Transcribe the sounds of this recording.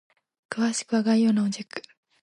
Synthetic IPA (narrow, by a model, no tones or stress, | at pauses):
kɯβaɕi̥kɯ̟βaɡaijo̞ːnaod͡ʑikːɯ̥